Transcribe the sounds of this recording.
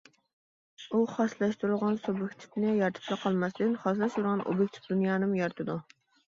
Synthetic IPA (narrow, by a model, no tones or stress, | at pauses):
uχɑslˠɑʃt̪uɾuʁɑnsobjɪkʲt̪ʰi̥pnɪjɑɾt̪ʰɨ̥p̪ʰlˠəqʰɑlˠmɑsd̪ɨnχɑslˠɑʃt̪uɾʁɑnʔo̰bjɪkʲt̪ʰi̥fd̪unjɑːnɨmjɑɾt̪ʰɨd̪u